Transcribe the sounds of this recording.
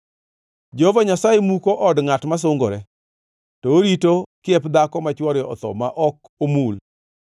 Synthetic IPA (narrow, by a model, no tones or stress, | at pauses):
d͡ʒehovaɲasajemukoʔɔdŋatmas̬ʊŋɡoɾɛ | tɔoɾitokɪɛpd̪akɔmat͡ʃwɔɾɔɔt̪ɔ̰maʔɔk | omul